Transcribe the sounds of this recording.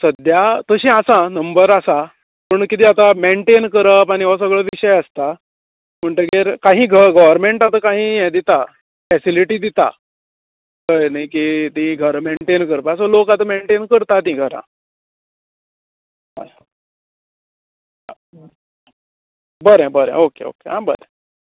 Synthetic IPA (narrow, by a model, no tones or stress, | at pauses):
səd̪jat̪əɕĩasãnəmbəɾasa | pəɳkit̪ʰiːat̪ameɳʈenkəɾəpañiʋas̬əɡɭəːʋiɕəjəst̪a | m̤əɳʈ̪əɡeɾkãɦĩːɡʱəɾɡəʋəɾmeɳʈat̪akaɦĩːjɛd̪it̪a | fɛsiliʈiːd̪it̪a̰ | kənajkit̪iĩɡʱəɾmeɳʈenkəɾpasəlokat̪ameɳʈenkəɾt̪at̪ĩːɡʱəɾã̰ | ɦa̰ | a | bəɾɛ̃bəɾɛ̰̃okḛo̰kḛɦãbə̰ɾɛ̰̃